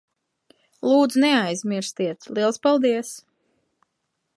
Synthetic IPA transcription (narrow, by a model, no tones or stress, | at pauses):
lˠuːd̪zunɛajzʲmʲiɾst̪iɛt̪lˠiɛlˠspalˠd̪iɛs